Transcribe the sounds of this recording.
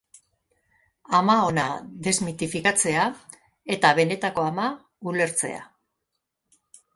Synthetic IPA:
amao̞naðe̞zmit̪ifikat͡se̞a | e̞t̪aβ̞e̞ne̞t̪ako̞ama | ule̞ɾt͡se̞̰a̰

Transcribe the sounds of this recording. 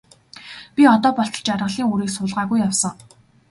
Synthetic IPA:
pʲiɔt̪ɔːpɔɬt̪ɞ̆t͡ɕarʁə̆ɮiːŋuɾiːksʊɮʁaːɣujːawsə̆ŋ

